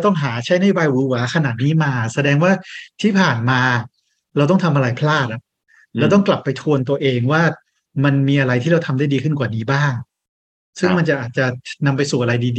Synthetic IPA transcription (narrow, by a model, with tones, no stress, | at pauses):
t̪ɔ˥˩ŋɦaː˩˦t͡ɕʰa˦˥jna˥˩jo˨baː˧jwu˧˩wa˦kʰa˧naː˨˩t̪̚niː˦˥maː˧sa˧dɛː˧ŋwaː˥˩t̪ʰiː˥˩pʰaː˨˩nmaː˧ | ɾa˧wt̪ɔ˥˩ŋt̪ʰa˧mʔa˧ɾa˧jpʰlaː˥˩t̪̚ʔa˦˩ | lɛː˦˥t̪̬ɔ˥˩ŋkla˨˩pːa˧jt̪ʰu˧ənt̪u˧əʔeː˧ŋwaː˥˩ | ma˧nmiː˧ʔa˧ɾa˧jt̪ʰiː˥ɾa˧wt̪ʰa˧mdaː˥˩diː˧kʰɯ˥˩nkwaː˨˩niː˦˥baː˥˩ŋ | sɯ˥˩ŋma˧nt͡ɕa˨˩ʔaː˨˩t̪̚t͡ɕa˨˩na˧mpa˧jsuː˨˩ʔa˧ɾa˧jdiː˧di˧